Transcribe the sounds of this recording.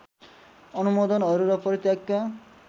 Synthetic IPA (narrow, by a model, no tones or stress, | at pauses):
ɔnumod̪ʱɔnʌɾuɾɔpɔɾit̪jakja